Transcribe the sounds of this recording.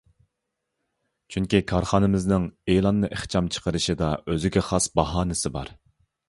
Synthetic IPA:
t͡ʃʰyŋkʲikʰɑɾχɑːnɪmɪznɪŋelˠɑnːɨʔeχt͡ʃʰɑmt͡ʃʰə̥qʰəɾɨʃɪd̪ɑøzɪɡʲɛχɑsbɑɦɑːnɪsɪbɑ̰ɾ

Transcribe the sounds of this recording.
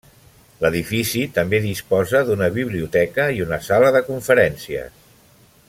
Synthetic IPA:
ləðifisit̪əmbeðispɔzəðunəβiβliut̪ɛkəiunəsaləðəkuɱfəɾɛnsiə̰s

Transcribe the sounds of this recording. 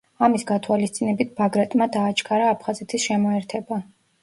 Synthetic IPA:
amisɡat̪ʰwalist̪sʼinɛbit̪̚ʰb̥aɡɾat̪ʼmad̪aːt͡ʃʰʼkʰaɾaːpʰχazɛt̪ʰisʃɛmɔɛɾt̪ʰɛba

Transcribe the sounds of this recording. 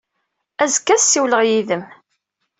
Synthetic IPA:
æzkːæsiwləʁjiðəm

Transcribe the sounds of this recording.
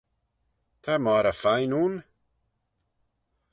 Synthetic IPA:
t̪ʰamaɾafajnun

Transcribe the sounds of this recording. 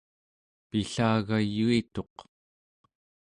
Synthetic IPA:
piɬaːɣajuit̪o̞q

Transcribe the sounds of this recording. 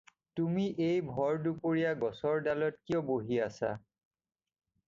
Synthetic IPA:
tumiʔejbʱɔɹdupoɹijaɡɔsɔɹdalɔtkiɔboɦiasa̰

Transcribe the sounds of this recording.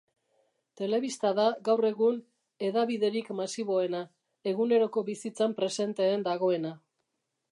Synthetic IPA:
t̪e̞le̞βist̪aðaɡawre̞ɣun | e̞ðaβiðe̞ɾikmasiβo̞e̞na | e̞ɣune̞ɾo̞ko̞βisit͡sampɾe̞se̞nt̪e̞ːnd̪aɣ̞o̞e̞na

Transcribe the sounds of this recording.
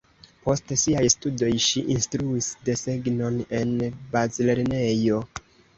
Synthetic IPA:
po̞stsiajstudo̞jʃiʔinstɾuisde̞seɡno̞ne̞nbazile̞ɾne̞jo̞

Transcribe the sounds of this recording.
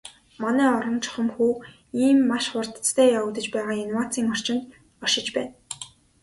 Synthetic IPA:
manæːɔɾɞ̆nt͡ɕʰɔ̥χə̆mxuː | iːmːaʃχʊrt̪t͡st̪ʰæːjaw̆t̪ə̆t͡ɕpæːʁaːenwaːt͡siːŋɔr̥t͡ɕɪ̆nt̪ | ɔʃɪ̆t͡ɕpæːn

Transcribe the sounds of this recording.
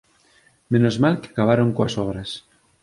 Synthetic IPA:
mẽnozmalkeakaβ̞aɾoŋkoasɔβɾas

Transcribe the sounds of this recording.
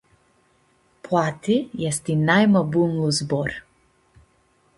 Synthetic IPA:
plat̪ijɛst̪inajmabunlˠuzbɔɾ

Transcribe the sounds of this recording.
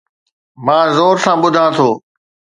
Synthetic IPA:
mãːzoːɾsãːɓʊd̪ʱãːt̪ʰoː

